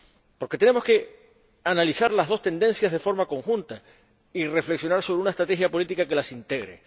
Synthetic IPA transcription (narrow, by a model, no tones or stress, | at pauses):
poɾke̞t̪e̞ne̞moske̞ | analisaɾlazðo̞st̪e̞nd̪e̞nsjazð̞e̞fo̞ɾmako̞ŋxũnt̪a | ire̞fleksjo̞naɾso̞βeunaest̪ɾat̪e̞xjapo̞lit̪ikake̞lasint̪e̞ɣɾḛ